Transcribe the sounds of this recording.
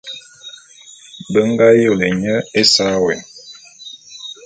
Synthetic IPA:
bə˦ŋ˦ɡa˦jo˦˨le˨ɲə˦e˦sa˦wɛ˨

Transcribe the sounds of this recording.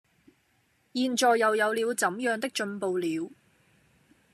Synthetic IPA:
jiː˨˧nt͡ʃɔː˨jːɐ˨wjɐ˨˧wliː˨˧wt͡sɐ˨˥mjœː˨˧ŋt̪ɪ˥k̚t͡ʃɵ˧npo˨wliː˨˧w

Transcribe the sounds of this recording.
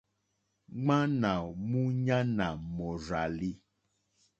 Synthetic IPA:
ŋ͡mã˦nã˨mũ˦ɲã˦nã˨mɔ˨za˨li˦

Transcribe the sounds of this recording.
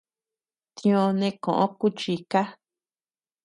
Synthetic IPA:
t̪ĩ˧õ˧nẽ˧kõ̰˨ʔõ̰˦ku˦t͡ʃi˧ka˦

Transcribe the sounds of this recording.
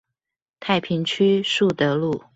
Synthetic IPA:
t̪ʰa˥˩ɪpʰi˧˥ŋt͡ɕʰy˥ʂu˥˩t̪ɤ˧˥lu˥˩

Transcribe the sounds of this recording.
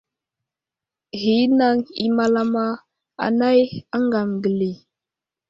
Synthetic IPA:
ɣi˨˦na˦ŋi˨ma˦la˦ma˦ | a̰˨na˦ja˦ŋɡa˨mɡə˨li˨

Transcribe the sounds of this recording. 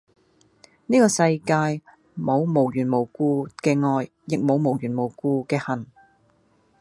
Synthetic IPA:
niː˥kɔː˧sɐ˧jkaː˧j | mo˨˧wmo˨˩wjyː˨˩nmo˨˩wkuː˧kɛː˧ŋɔː˧j | jɪ˨k̚mo˨˧wmo˨˩wjyː˨˩nmo˨˩wkuː˧kɛː˧hɐ˨˩n

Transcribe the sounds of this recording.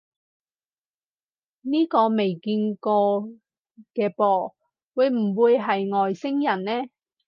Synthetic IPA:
niː˥kɔː˧me˨jkiː˧nkɔː˧ | kɛː˧pɔː˧ | wuː˨˧jm̩˨˩wuː˧jɦɐ˨jŋɔː˨jsɪ˥ŋjɐ˨˩nnɛː˥

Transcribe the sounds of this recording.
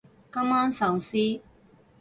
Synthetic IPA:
kɐ˥ma˦˥nsa˨˩wsi˦

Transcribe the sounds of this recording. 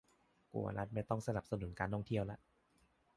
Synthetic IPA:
kṵ˨˩ɐ̰˦la˦˥t̪̚ma˥˩jt̪ɔ˥˩ŋsa˧na˨˩p̚sa˧nu˩˦nkaː˧ntʰɔ˥˩ŋt̪ʰi˥˩əwla˦˥ʔ

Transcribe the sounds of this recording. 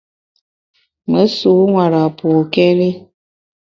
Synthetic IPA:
mə˨˦su˨˦ŋʷwa˨ɾa˨po˨kɛ˦ɾi˦

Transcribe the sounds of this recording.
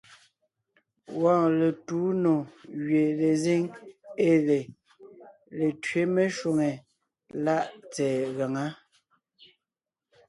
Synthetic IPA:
wɔ̃ː˨le˨tu˨˦no˨ɣɥe˨le˨zi˦ŋe˦˨le˨ | le˨tɥe˦me˦ʃwo˨ŋe˨ | la˦ʔt͡sɛː˨ɣa˨ŋa˦

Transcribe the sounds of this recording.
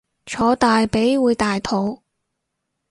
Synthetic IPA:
t͡ʃʰɔː˨˧t̪aː˨jpe˨˥jwuː˨˧jt̪aː˨jt̪ʰo˨˧w

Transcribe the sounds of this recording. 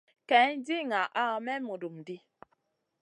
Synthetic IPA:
kɛ˨˦n˦di˦ŋa˨ʔa˦˨mɛ˦mu˨du˨mdi˦

